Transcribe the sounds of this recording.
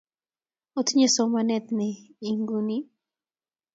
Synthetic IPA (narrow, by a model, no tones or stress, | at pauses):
ot̪ɲesɔmanɛt̪nɛiŋɡuni